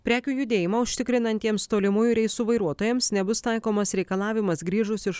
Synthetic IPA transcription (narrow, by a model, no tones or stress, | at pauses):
pʲɾʲæːkʲuːjʊd̪ʲeːjɪmɑʊʃʲt̪ʲɪkɾʲɪnɐnʲt̪ʲiɛmst̪oːlʲɪmuːjuɾʲɛɪsʊʋɐɪɾuɔt̪oːjɛmsnʲɛbʊst̪ɐɪkoːmɐsɾʲɛɪkɐlˠɑːʋʲɪmɐsɡɾʲiːʒʊsɪʃ